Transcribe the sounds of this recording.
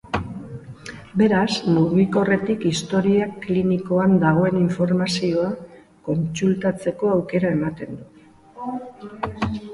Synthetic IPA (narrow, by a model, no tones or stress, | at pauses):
be̞ɾasmuɣiko̞re̞t̪ikist̪o̞ɾiakliniko̞and̪aɣ̞o̞e̞niɱfo̞ɾmasio̞a | ko̞nt͡sult̪at͡se̞ko̞awke̞ɾae̞mat̪e̞nd̪u